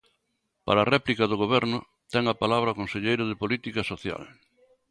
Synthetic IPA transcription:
pa̰ɾaːrɛplikɐðoɣoβɛɾnʊ | t̪ɛŋapalaβ̞ɾɐokonseʎejɾʊðɪpolit̪ikasoθja̰l

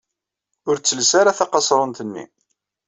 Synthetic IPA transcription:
ʊɾt͡sːəlsaɾaθɑqɑsˤɾˤənt̪ənːḭ

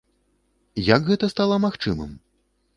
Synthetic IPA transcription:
jaɡɣɛt̪ɐst̪alˠɐmaxt͡ʂɨmɨ̰m

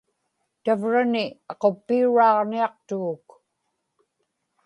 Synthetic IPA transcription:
t̪avɻanɪɑqo̞pːiuɻɑːʁniɑq̚t̪uːk

